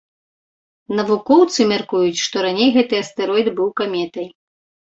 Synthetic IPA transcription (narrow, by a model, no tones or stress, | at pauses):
nɐvukɔwt̪sɨmʲarkujut͡sʲʂt̪ɔɾanʲejɣɛt̪ɨɐst̪ɛɾɔjd̪bɨwkamʲɛt̪ɐj